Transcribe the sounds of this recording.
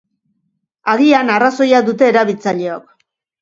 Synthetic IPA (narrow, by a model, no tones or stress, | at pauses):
aɣianaraso̞jaðut̪e̞ːɾaβilt͡saʎe̞ok̚